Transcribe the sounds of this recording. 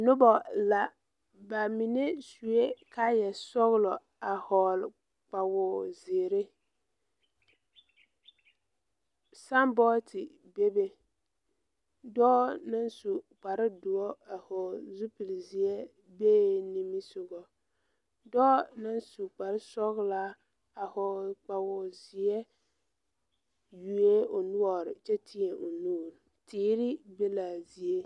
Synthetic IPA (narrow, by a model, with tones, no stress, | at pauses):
nʊ˦bɔ˨la˨ | ba˨mi˨ne˦su˨e˦ka˦jɛ˨sɔ˦ɣlɔ˨ | a˨hɔ˨l | k͡pa˨wʊ˨zɪ˨ɾɪ˦ | sa˦mbɔ˦tɪ˨ | be˦be˦ | dɔː˦na˦nsu˨k͡pa˨ɾɪ˦dʊ˨ɔ˦a˨hɔ˨zu˦pi˨lzi˨ɛ˦ | beː˦ni˦mi˦sʊ˨ɡɔ˨ | dɔː˦na˦nsu˨k͡pa˨ɾɪ˦sɔ˦ɣlaː˦ | a˨hɔ˨k͡pa˨ɣɔ˨zɪ˨ɛ˦ | ju˨e˦o˨nʊ˦ɔ˨ɾɪ˨t͡ʃɛ˦tʰi˦e˨ʔo˨nuː˦˨ɾ | tiː˦ɾɪ˦be˦laː˨zi˨e˦